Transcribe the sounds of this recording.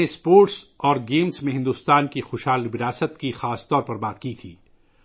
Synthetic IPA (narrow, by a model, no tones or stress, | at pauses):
espoːɾʈsɔːɾɡeːmsmẽɦɪ̃nd̪ust̪aːnkixʊːʃhɦaːlʋɪɾaːsət̪kixaːst̪ɔːɾpɐɾbaːt̪kit̪ʰiː